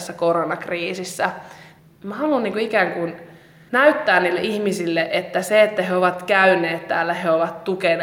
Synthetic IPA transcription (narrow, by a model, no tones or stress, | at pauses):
sːækoronɑkriːsisːæ | mæhɑlunniːŋkuikæːŋkun | næyt̪ːæːnniːlːḛʔihmisilːeʔet̪ːæseet̪ːæheoʋɑt̪kæyneːt̪t̪æ̰ːlːæheoʋɑt̪tuken